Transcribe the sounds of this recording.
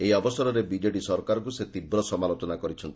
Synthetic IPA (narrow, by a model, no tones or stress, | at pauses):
eiɔbɔsɔɾɔɾebid͡ʒeʈisɔɾkaɾɔk̬uset̪ibɾɔsɔmalot̪ɔnakɔɾit͡ʃʰɔnt̪i